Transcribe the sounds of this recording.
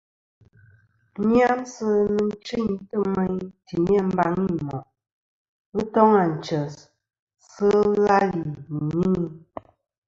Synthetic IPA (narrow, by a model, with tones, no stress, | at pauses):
ɲ˦a˦nsə˦nɨ˨n̩˦t͡ʃi˦˨ɲtə˦˨me˦ɲti˨ɲ˦e˦m̩˦ba˦ŋi˦˨mɔ˨˦ | tɔ˦ŋa˨n̩˨t͡ʃə˨s | sə˦la˦li˨ɲɲi˦ŋi˦